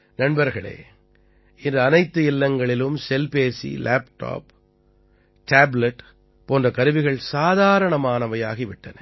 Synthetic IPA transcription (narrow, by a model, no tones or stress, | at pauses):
nɐnbɐɾɣɐɭḛː | ɪndɯɐnɐɪt̪ːɯɪlːɐŋɡɐɭɪlɯmsɛlpeːsḭlʔaːpʈo̰ːp | ʈaːblɐʈ | poːndrɐkɐɾɯʋɪɣɐɭsaːðaːɾɐɳɐmaːnɐʋɐjaːɣiʋɪʈːɐnɐ